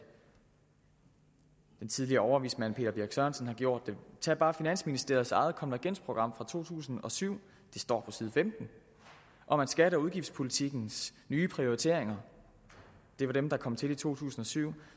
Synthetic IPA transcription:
d̥ent͡sʰið̞ˠliɐːɒʊɐʋḭːsmæn̰pʰe̝̰ːd̥ɐb̥iɐɡ̥sœɐnsən̩hɑ̈ɡ̥jo̝ɐ̰d̥ːe̝t͡sʰɛ̰b̥ɑ̈ːfinæn̰sminisd̥e̝ɐðˠsɑ̈ɪð̩ˠkʰɒ̽mnæɡ̥en̰spʰʁo̝ɡ̥ʁɑ̈m̰fʁɑ̈t͡sʰo̝̰ːt͡sʰṵːsn̩ɒ̽syʊ̰ | d̥e̝sd̥ɒ̰ːpʰɒ̽sið̞ˠfemd̥n̩ | ʔɒ̽mænsɡ̥æɾɐuðˠɡ̥ifdspʰo̝lit͡sʰiɡ̥n̩snyːpʰʁio̝ʁit͡sʰe̝̰ɐeŋɐ | d̥e̝ʋɑ̈ɾ̥emd̥ɑ̈kʰɒ̽mt͡sʰe̝lit͡sʰo̝̰ːt͡sʰṵːsn̩ɒ̽syʊ̰

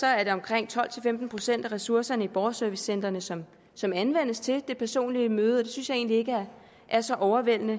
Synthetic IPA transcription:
sɒ̽æɐɾ̥e̝ɒ̽mkʰʁeŋ̰t͡sʰɒ̽l̰t͡sʰe̝lfemd̥n̩pʰʁo̝sen̰d̥æʁɛsuɐsɐnəib̥ɒːsœɐʋisːen̰d̥ʁɐnəsɒ̽m | sɒ̽mænʋen̰əst͡sʰe̝ld̥e̝pʰæɐso̝̰ːnliəmøːð̞̩ˠɒd̥e̝synsjɑ̈e̝̰ːnlie̝ɡ̥əæɐ | ʔæɐsɒ̽ʔɒʊɐʋel̰nə

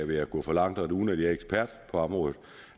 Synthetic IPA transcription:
ʋe̝æɡ̥ɔ̰fɒ̽lɑ̈ŋ̰d̥ɒɾeuːn̩æd̥iæeɡ̥spʰæɐ̰d̥pʰɒ̽ɑ̈mʁɔ̽ːð̩ˠ

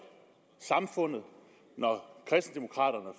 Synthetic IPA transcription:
sɑ̈mfɔ̽n̰ð̩ˠ | nɒkʰʁɛsn̩d̥emo̝kʰʁɑ̰̈ːɾɐnə

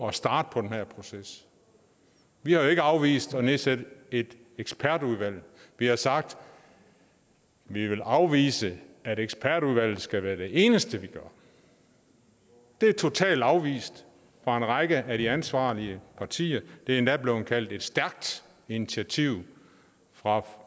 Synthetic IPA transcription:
ɒsd̥ɑ̈ːd̥əpʰɒ̽d̥enhæɐ̰pʰʁo̝ses | ʋihɑ̈joe̝ɡ̥əɑ̈ʊʋḭːsd̥ɒ̽ne̝ðsæd̥e̝d̥ | eɡ̥spʰæɐd̥uðˠʋæl̰ʋihɑ̈sɑ̈ɡ̥̚d̥ | ʋiʋe̝lʔɑ̈ʊʋḭːsəæɾeɡ̥sb̥ʰæɐɾ̥uðˠʋæl̰ð̩ˠsɡ̥æʋæːɐd̥e̝ʔe̝ːnəsd̥əʋiɡ̥ɶɐ̰ | d̥e̝æɐt͡sʰo̝t͡sʰɛ̰ːld̥ɑ̈ʊʋḭːsd̥ | fʁɑ̈e̝nʁɑɡ̥əʔæɾiænsʋɑ̰̈ːliəpʰɑ̈t͡sʰḭːɐd̥e̝æɐe̝nd̥æb̥le̝ʊhnkʰæl̰d̥e̝d̥sd̥æɐɡ̥̚d̥ | init͡sʰiæt͡sʰiʊ̰ | fʁɑ̈

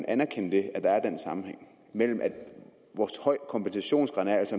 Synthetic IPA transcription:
nænæɐkʰenəd̥e̝æd̥ɑ̈æɐd̥en̰sɑ̈mm̩heŋ̰ | mel̰m̩ʔæ̥ | ʋɒːshɒɪ̰kʰɒ̽mb̥ensæɕo̝̰ːnsɡ̥ʁɑ̈næɐæl̰sɒ̽

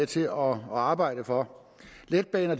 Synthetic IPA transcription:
t͡sʰe̝ɒ̽ɑ̈ːb̥ɑ̈ɪ̰ɾ̥əfɒ̽ | led̥̚b̥ɛːnɐd̥

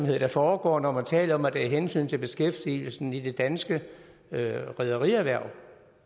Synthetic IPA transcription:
mhe̝ð̰ˠd̥ɑ̈fɒːɡ̥ɒ̰ːnɒmænt͡sʰɛ̰ːləɒ̽mæd̥æiɦensy̰ːnt͡sʰe̝lb̥e̝sɡ̥efd̥il̩sn̩id̥e̝d̥ænsɡ̥ə | ʁɛð̞ˠɐʁiæʋæɐ̰

